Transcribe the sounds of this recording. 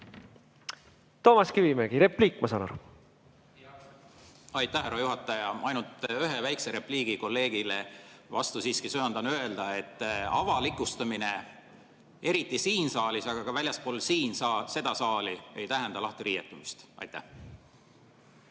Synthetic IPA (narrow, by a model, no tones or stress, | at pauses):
t̪o̞ːmɑskivimeɡ̥iɾe̞pliːkːmɑsɑnɑ̰ɾu | ɑjt̪ːˑæhæɾojuɦɑt̪ːˑɑjɑɑjnult̪ˑyɦevæjkse̞ɾe̞pliːɡ̥iko̞lːe̞ːɡ̥ile̞vɑst̪usiːskisøɑnd̪̥ɑnøe̞ld̪̥ɑe̞t̪ːɑ̰vɑlikːˑust̪ɑmine̞ | eɾit̪ːˑisiːnsɑːlisɑɡ̥ɑɡ̥ɑvælʲjɑspoːlsiːnsɑse̞d̪̥ɑsɑːlie̞jt̪æɦend̪ɑlɑht̪iɾiːjet̪ːˑumist̪ɑ̰jt̪ːˑæ̰h